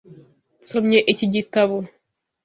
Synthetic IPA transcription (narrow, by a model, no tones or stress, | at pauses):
t͡somɲeʔeciɟitaβo